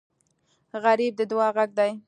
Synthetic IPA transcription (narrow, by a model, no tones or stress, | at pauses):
ɣaɾib̚d̪əd̪wɑɣaɡ̚d̪aj